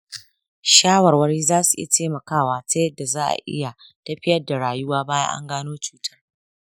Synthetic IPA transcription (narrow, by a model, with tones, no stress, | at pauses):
ʃaː˦wɐ˨rwɐ˦ɽiː˦zaː˦su˨ʔɪ̰˦ja˨teː˦mɐ˨kaː˦˨waː˨ta˦jɐ˦dːa˨zaː˦ʔa̰˨ʔɪ̰˦ja˨ | tɐ˦ɸɪ˦jɐ˦da˨ɽaː˨jʊ˦waː˦baː˦ja̰˦ʔa̰˦ŋɡaː˦noː˦t͡ʃu̥ː˦tʰɐ̥˦r